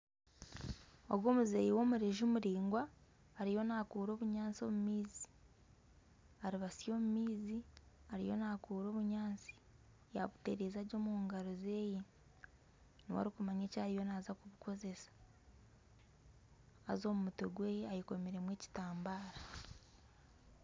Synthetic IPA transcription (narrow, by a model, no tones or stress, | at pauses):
o̞̰ɡwo̞ːmuzejiwo̞ːmuɾeʒumuɾiːŋɡwaː | ɾijo̞naːkuːɾo̞ːβuɲaːnt͡sio̞̰mumiːzi̥ | aɾiβasijo̞ːmumiːziaɾḭjo̞̰nakuːɾo̞ːβuɲaːnt͡si̥ | ja̰βute̞ɾeːzaɟo̞ːmuːŋɡaɾoze̞ːje | niwa̰ɾikumaɲeːcaːɾijo̞naːzakuβuko̞ze̞sḁ | a̰zo̞ːmumutoɡweːjeajiko̞meɾe̞mweːci̥taːmbaːɾa